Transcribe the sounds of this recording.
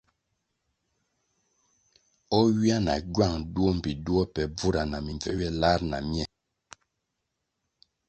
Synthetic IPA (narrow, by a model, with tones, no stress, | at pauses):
ɔ˦wi˦a˦na̰˨ɟɥa˦˨ŋdu˦ɔ˦m̩˨bi˨du˦ɔ˦pɛ˨b͡vu˦ɾa˨na˨mi˨ɱvɛ˦wjɛ˦la˦ɾna̰˨mjɛ˦˨